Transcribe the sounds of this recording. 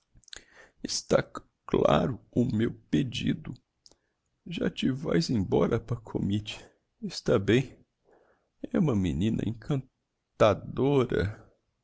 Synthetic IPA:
ɪst̪a | klaɾʊʊmewped͡ʒid̪ʊ | ʒa̰t͡ʃɪvajzẽj̃bɔɾʔɐpɐɾkʰo̰mit͡ʃɪ̥ | est̪abẽj̃ | ɛũmɐminĩnɐ̰ʔẽkʰɐ̃n | t̪ad̪oɾɐ̰

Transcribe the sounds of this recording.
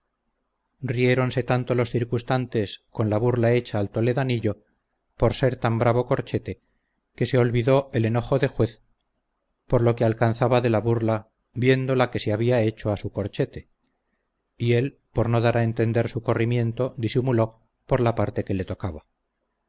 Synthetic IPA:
rie̞ɾo̞nse̞t̪ant̪o̞lo̞sθiɾkust̪ant̪e̞sko̞nlaβuɾlae̞t͡ʃaːlt̪o̞le̞ðaniʎo̞ | po̞ɾse̞ɾt̪ambɾaβ̞o̞ko̞ɾt͡ʃe̞t̪e̞ | ke̞se̞o̞lβiðo̞ʔe̞le̞no̞xo̞ðe̞xwe̞θ | po̞ɾlo̞kealkanθaβaðe̞laβuɾla | bje̞nd̪o̞lake̞seaβ̞iae̞t͡ʃo̞asuko̞ɾt͡ʃe̞t̪e̞ | ie̞lpo̞ɾno̞ðaɾae̞nt̪e̞nd̪e̞ɾsuko̞rimjẽ̞nt̪o̞d̪isimulo̞ | po̞ɾlapaɾt̪e̞ke̞le̞t̪o̞kaβa

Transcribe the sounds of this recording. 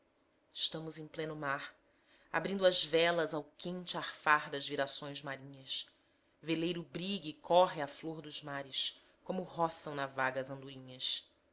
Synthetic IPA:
ɪʃt̪ɐ̃mʊzẽj̃plẽnʊmaɾ | a̰bɾĩnd̪ʊɐzvɛlɐzawkẽnt͡ʃɪaχfaɾd̪ɐzviɾasõj̃zmaɾĩɲɐs | velejɾʊbɾiɡɪkʰɔɦɪafloɾd̪ʊzmaɾɪs | kõmʊɦɔsɐ̃w̃nɐvaɡɐzɐ̃nd̪uĩɲɐs

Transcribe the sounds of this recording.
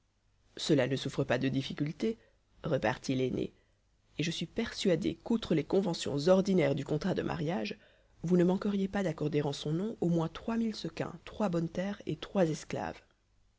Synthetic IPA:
səlanəsufχəpad̪əd̪ifikʲylt̪e | ʁəpa̰ʁt̪ilenḛ | eʒəsɥipɛʁsɥad̪ḛkut̪χəlekɔ̃vɑ̃sjɔ̰̃zɔʁd̪inɛʁd̪ykɔ̃t̪χad̪ə̰mʔa̰ʁjaʒ | vunəmɑ̃kəʁjepad̪akɔʁd̪eʁɑ̃sɔ̃nɔ̃ʔomwɛ̃t̪χwamilsəkɛ̰̃t̪χwabɔnt̪ɛːʁḛt̪χwazɛskla̰v

